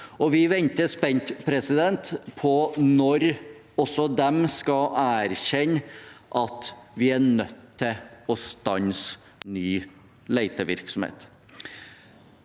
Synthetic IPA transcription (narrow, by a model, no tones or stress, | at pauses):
ɔʋɪʋɛnt̪əspɛnt̪pʰɾɛsɪd̪ɛnt̪pʰɔnɔɾ | ɔsɔd̪ɛmskɑæːɾɕɛnʔɑt̪ʋɪæɳœt̪ːɪɔst̪ɑns | nyː | læɪt̪əʋɪ̰ɾksɔmhḛːt̪